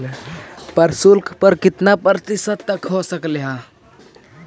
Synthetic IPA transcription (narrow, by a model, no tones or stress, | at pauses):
pəɾsulkʰpəɾkɪt̪napəɾt̪isəd̪ːəkɦosəkleɦã